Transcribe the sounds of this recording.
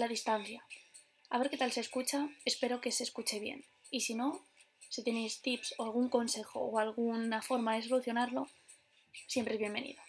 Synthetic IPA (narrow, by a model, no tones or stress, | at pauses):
laðist̪anθja | aβ̞e̞ɾke̞t̪alse̞ːskut͡ʃae̞spe̞ɾo̞ke̞se̞skut͡ʃe̞β̞je̞̰n | isino̞ | sit̪e̞nejst̪ipso̞alɣ̞uŋko̞nse̞xo̞̰ːalɣ̞unafo̞ɾmaðe̞so̞luθjo̞naɾlo̞ | sje̞mpɾezβje̞mbe̞nḭðo